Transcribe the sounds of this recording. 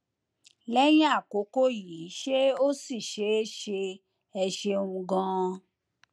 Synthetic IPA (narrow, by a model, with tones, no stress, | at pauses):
lɛ˦j̃ĩ˦a˦˨ko˨˦ko˦ji˨˦ʃe˦o˦si˦˨ʃe˨˦ʃe˧ | ɛ˧ʃe˧ũ˧ɡã˧